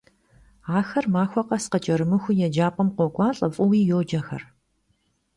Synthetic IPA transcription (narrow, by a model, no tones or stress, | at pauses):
aːxɐrmaːxʷɔqɐsqət͡ʃʼɐɾɨmɨxʷʊjɛd͡ʒaːpʼɐmqʷɔkʷʼaːɬʼɐfʼʊwiːjoːd͡ʒɐxɐ̰r